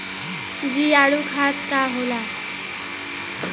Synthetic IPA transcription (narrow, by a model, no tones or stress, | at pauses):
d͡ʑiːjaɽukʰaskaɦola